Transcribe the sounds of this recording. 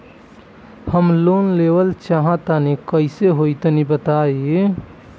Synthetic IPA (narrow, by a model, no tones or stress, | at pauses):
həmlonlebəlt͡ʃaɦãt̪anikəɪseɦojt̪ənibət̪ae